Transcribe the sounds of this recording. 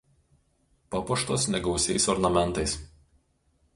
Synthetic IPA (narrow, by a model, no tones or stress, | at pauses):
pɐpɔʃt̪oːsnʲɛɡɒʊsʲɛɪsɔɾnɐmʲɛnt̪ɐɪs